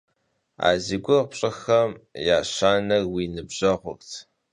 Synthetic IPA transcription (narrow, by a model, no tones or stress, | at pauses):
a̰ːziɡʷʊpɕʼɨxɐmjaːɕaːnɐɣwiːnɨbʑ̥ɐʁʷʊ̰ktʰ